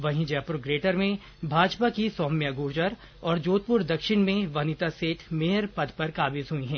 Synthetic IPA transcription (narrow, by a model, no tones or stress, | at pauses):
ʋɐɦĩd͡ʒapʊɾɡɾeːʈəɾmẽ | bʱaːd͡ʒpakisɔːmːjaɡuːɾd͡ʒəɾ | ɔːɾd͡ʒoːt̪̚pʊɾd̪ɐkʃɪɽ̃mẽʋɐnɪt̪aseːʈ̪ʰmeːɦəɾpɐd̪pɐɾkaːbɪzɦuiɦɛ̃ː